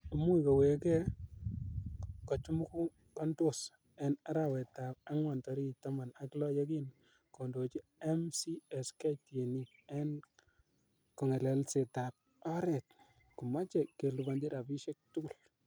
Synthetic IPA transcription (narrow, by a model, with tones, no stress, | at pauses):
u˨mu˦i˨kɔ˨we˨kɛ˦ | kɔ˨t͡ʃu˦mu˦ku˦ | kɔ˦ndos | ɛ˨na˦ɾa˦wɛ˨ta˨p̚a˦ŋwa˨ntɔ˨ɾi˦˨ta˦ma˨na˦klɔ˦jɔ˦k̬i˦n | ko˨ndo˨t͡ʃi˦ɛ˦msi˦ɛ˨ska˦tje˨ni˦ | ɛ˦n | kɔ˨ŋe˨lɛ˨lse˨ta˨p̚ | ɔ˦ɾɛ˨t̚ | ku˨ma˦t͡ʃɛ˨kːe˨lu˨ba˨ndi˦ɾa˨pi˦ʃɛ˦k̚tu˦ku˦˨l